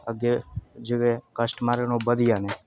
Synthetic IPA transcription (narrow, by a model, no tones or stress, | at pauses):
əɡed͡ʒiʋekəsʈmaɾenobəd̪ijane